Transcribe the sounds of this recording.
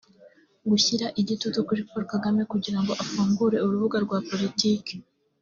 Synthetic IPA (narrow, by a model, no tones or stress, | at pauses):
ɡuçiɾaʔiɟitutukuɾipoɾokaɡame̞kuɟiɾaŋɡo̞ʔafuːmbuɾe̞uɾuβuɡaɾɡwaːpo̞litiːke̥